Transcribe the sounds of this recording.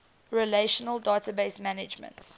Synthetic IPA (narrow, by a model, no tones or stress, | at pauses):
ɹɛleʃənəlˠdɑːtəbesmænɪd͡ʒmə̰̃nt